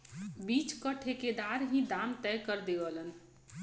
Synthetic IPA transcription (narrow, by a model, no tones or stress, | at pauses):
bit͡ʃkəʈʰeked̪aɾɦĩd̪amt̪ɛkəɾd̪eʋələn